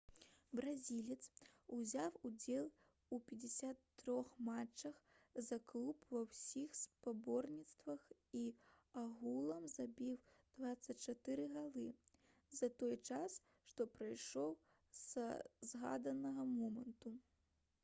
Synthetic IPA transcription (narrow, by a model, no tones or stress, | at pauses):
bɾazʲilʲit̪suzʲawud͡zʲɛlˠ | upʲɛd͡zʲɛsʲat̪ːɾɔxmat͡ʂːɐxzaklˠupvɐwsʲixspabɔrnʲit̪st̪vɐxiaɣulˠɐmzabʲiwd̪̥vat̪sːɐt͡sʲt͡ʂat̪ɨɾɨɣad̪ɨ | zɐt̪ɔjt͡ʂas | ʂt̪ɔpɾajʂɔw | z̥ɐzɣa̰d̪ɐnɐɣɐmɔmɐnt̪u